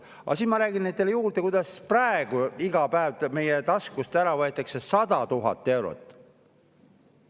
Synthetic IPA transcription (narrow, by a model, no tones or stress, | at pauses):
ɑ̰siːnmɑɾæːɡ̥innet̪ːelejuːrd̪ekujd̪̥ɑsprɑeɡ̥uiɡ̥ɑpæevt̪me̞jet̪ɑskust̪æɾɑvɤet̪ːˑɑksesɑd̪̥ɑt̪uɦɑ̰t̪ːˑe̞wɾo̰t̪ˑː